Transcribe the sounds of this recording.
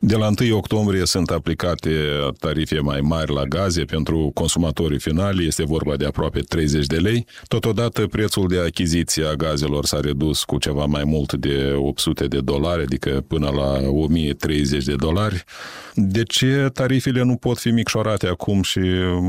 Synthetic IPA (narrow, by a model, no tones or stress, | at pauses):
d̪e̞laɨnt̪ɨjo̞kt̪o̞mbɾije̞sunt̪aplikat̪e̞t̪aɾife̞majmarʲlaɡaze̞pe̞nt̪ɾuko̞nsumat̪o̞ɾifinalʲje̞st̪e̞vo̞rbad̪eapɾoape̞t̪ɾe̞jze̞t͡ʃʲd̪e̞le̞j | t̪o̞t̪o̞d̪at̪əpɾe̞t̪suld̪e̞akʲizit̪sijeaɡaze̞lo̞rsaɾe̞d̪uskut͡ʃe̞vamajmult̪d̪e̞op̚t̪sut̪e̞d̪e̞d̪o̞laɾʲad̪ikəpɨnəlao̞mijet̪ɾe̞jze̞t͡ʃʲd̪e̞d̪o̞larʲ | d̪e̞t͡ʃe̞t̪aɾifele̞nupo̞t̪fimikʃo̞ɾat̪eakʰumʃi